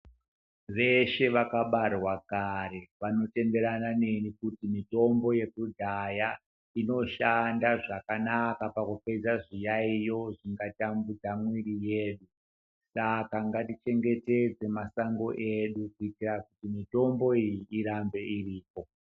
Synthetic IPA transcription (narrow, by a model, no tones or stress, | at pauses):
ʋe̞ʃe̞ʋakaɓarwakaɾe̞ʋano̞te̞mbe̞ɾanane̞nikutimito̞mbo̞je̞kudʱaja | ino̞ʃandaʐakanakapakupe̞d͡zaʐijaijo̞ʐiŋɡatambud͡zamwiɾijeːɗu | sakaŋɡatit͡ʃe̞ŋɡe̞te̞d͡ze̞masaŋɡo̞ʔeɗukuitirakutimito̞mbo̞ijiːɾambe̞iriːpo̞